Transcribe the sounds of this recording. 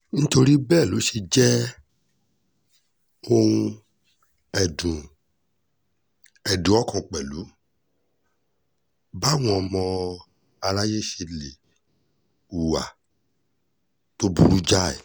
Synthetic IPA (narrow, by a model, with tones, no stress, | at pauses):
ñ̩˦to˧ɾi˦bɛː˦˨lo˨˦ʃe˧d͡ʒɛ˦ | o˧ũ˧ | ɛ˨dũ˨ | ɛ˨dũ˨˦ɔ˦kɔ̃˧k͡pɛ˨lu˨˦ | ba˦w̃ɔ̃˧ɔ˧mɔ̃˧ | a˧la˦je˦ʃe˧le˨ | u˨wa̰˨ | to˦bṵ˧˦ɾu˦d͡ʒa˦ɛ̰˨